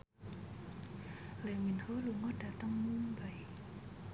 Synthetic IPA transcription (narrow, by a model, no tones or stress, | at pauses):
leminholuŋɔd̥at̪əŋmuŋbaj